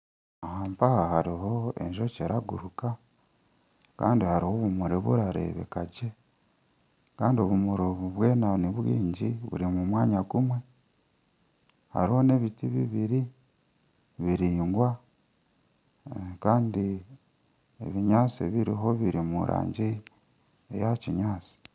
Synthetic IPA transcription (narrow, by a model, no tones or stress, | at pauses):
ahaːmpahahaɾiɦo̞e̞̰ɲʒo̞ceɾaɡuɾuka | kaːndihaɾiho̞βumuɾeβṵɾaɾe̞̰ːβḛkaɟe | kaːndio̞βumuɾoβuβwe̞ːnaniβwḭːɲɟiβṵɾimumwaːɲaɡumwe̞ | ha̰ɾiho̞ne̞βitiβiβiɾi | βiɾiːŋɡwa | kaːndi | eβiɲaːt͡siβiɾiɦo̞βiɾimṵɾʔa̰ːɲɟi | ejaciɲaːt͡si̥